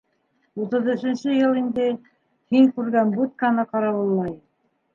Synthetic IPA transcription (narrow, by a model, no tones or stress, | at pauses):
ut̪ɤ̆ðɵ̆ʃɘ̆nɕɘjɤlˠind̪ɘ | hiŋkʉɾɡænbut̪̚kɑnɤqɑɾɑwɤ̆lˠːɑj